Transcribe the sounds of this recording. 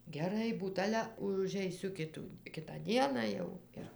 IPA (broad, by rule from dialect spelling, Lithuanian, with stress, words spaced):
ɡʲɛˈrɐɪ ˈbuːt ˈɑːlʲɛ ʊʒʲɛɪˈsʲʊ ˈkʲɪtuː ˈkʲɪtɑː ˈdʲiɛnɑː jɛʊ ˈɪr